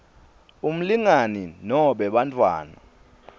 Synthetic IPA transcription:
um̩liŋaninɔɓɛɓantʰʼwa̰ːna

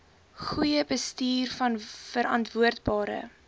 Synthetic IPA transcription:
χujəbəstiːrfɐnfəɾɐntvuərtbɑːɾə̰

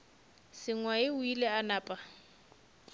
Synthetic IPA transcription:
sɪŋwaɪʊileanaːpʼa

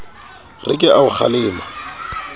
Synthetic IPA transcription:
rɪ̰kʼɪʔaʊχʰa̰lɪːma

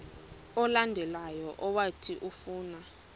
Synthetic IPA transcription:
ɔlandʱɛlajɔʔɔwatʰiʔufuːna

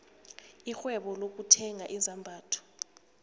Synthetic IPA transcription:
ixwɛɓɔlok̬utʰɛŋaʔizʱambʱaːtʰɔ̥

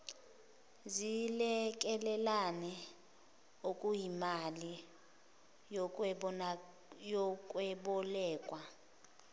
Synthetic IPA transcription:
zilɛk̬ʼɛlɛlanɛ | okʼujimali | ɔkʼwɛɓɔlɛːkʼwa

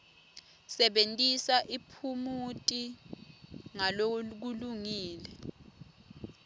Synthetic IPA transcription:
sɛɓentʼisaʔipʰumutʼi | ŋalok̬uluŋiːlɛ

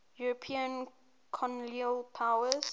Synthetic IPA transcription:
juɹɔpʰĩə̃n | kʰɔ̃nliəlpʰawəz̥

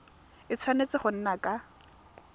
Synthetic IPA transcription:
ɪt͡sʰwanet͡sɪχʊn̩nakʼa

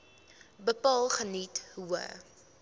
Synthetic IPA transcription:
bəpɑːlˠχənithuə̰

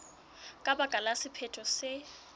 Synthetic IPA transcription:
kʼabakʼalasɪpʰɛtʰʼɔsɪ

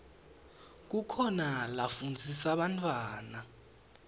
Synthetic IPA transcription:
k̬ukʰɔnalafund͡zʱisaɓantʰʼwaːna

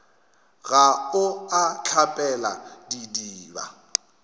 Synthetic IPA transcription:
ɣaʊat͡ɬʰapʼɛla̰didiːba̰

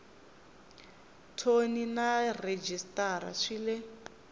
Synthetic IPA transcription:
tʰoninared͡ʒistʼaɾa̰ʂiːlɛ

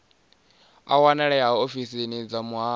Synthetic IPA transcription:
a̰wanɛɺɛaaofisinid͡zamuɦaː

